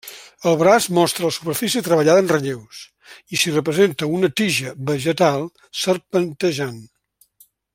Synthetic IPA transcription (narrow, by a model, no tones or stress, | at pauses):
əlˠβɾazmɔst̪ɾəlˠsupərfisit̪ɾəβəʎaðənrəʎews | isirəpɾəzent̪əunət̪iʒəβəʒət̪alˠ | sərpənt̪əʒan